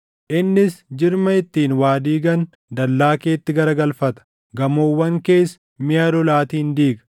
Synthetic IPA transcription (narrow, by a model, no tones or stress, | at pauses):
ʔɪnːɪsd͡ʒɪɾmɐɪt̪ːiːnwaːd̪iːɡɐn | d̪ɐlːaːke̞ːt̪ːɪɡɐɾɐɡɐlfɐt̪ɐ̥ | ɡɐmoːwːɐŋke̞ːs | mɪjɐd̪ɔlaːt̪iːnd̪iːɡɐ̥